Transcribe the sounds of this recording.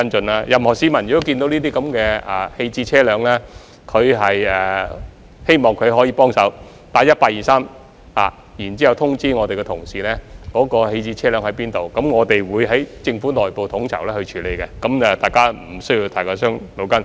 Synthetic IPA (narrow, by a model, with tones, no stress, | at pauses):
ɐ˥nt͡ʃɵ˧nlaː˥jɐ˨mhɔː˨˩siː˨˥mɐ˨˩njɪ˨t̪o˥ki˧nt̪o˨˥wniː˥t̪̬iː˥kɐ˨˥mkɛː˧ɛː˨˩he˧jt͡siː˧t͡sʰɛː˥lœː˨˧ŋlɛː˥ | kʰɵ˨˧ɥɦɐ˨jɛ˨˩ | he˥jmɔː˨˩ŋkʰɵ˨˧ɥɦɔː˨˥jiː˧pɔː˥ŋsɐ˨˥w | t̪aː˨˥jɐ˥t̚paː˧k̚jiː˨saː˥m | ha̰ː˨˩ | jiː˨˩nt͡siː˥hɐ˨wt̪ʰʊ˥ŋt͡siː˥ŋɔː˨˧t̪e˨kɛ˧t̪ʰʊ˨˩ŋsiː˨lɛː˥kɔː˨˥kɔː˧he˧jt͡siː˧t͡sʰɛː˥lœː˨˥ŋhɐ˨˥jpiː˥nt̪o˨wkɐ˨˥mŋɔː˨˧t̪e˨jwuː˨˧jɦɐ˨˥jt͡sɪ˧ŋfuː˨˥nɔː˨jpo˨wt̪ʰʊ˨˥ŋt͡sʰɐ̰˨˩wlɛː˥hɵ˧ɥt͡ʃʰyː˨˥le˨˧jkɛ˧kɐ˨˥mɛː˨t̪aː˨jkaː˥m̩˨˩sɵ˥ɥji˧wt̪ʰaː˨˩kɔː˧sœː˥ŋlo˨˧wkɐ˥n